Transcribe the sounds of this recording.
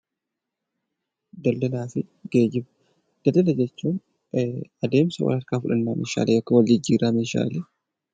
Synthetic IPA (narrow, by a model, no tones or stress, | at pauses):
d̪ɐldɐlaːfɪ | ɡeːd͡ʒɪbɐ̥ | d̪̥ɐlːɐlɐd͡ʒɛt͡ʃːuːn | ɐd̪e̞ːmsɐwɐ̰lɐɾkaːfʊᶑɐnːaːmḛːʃa̰ːlʔeːjɔkːɐwɐlːɪɪd͡ʒːiːɾaːmeːʃa̰ːleː